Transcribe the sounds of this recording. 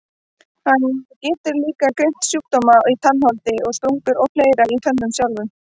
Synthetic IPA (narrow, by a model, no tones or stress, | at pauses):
hanːcɛːt̪ʏɾliːkakɾejn̥t̪sjuːk̚t̪ɔmait̪ʰanːhɔlt̪ɪɔɣst̪uŋkʏɾɔpleːjɾait̪ʰœnːʏmsjawlvʏn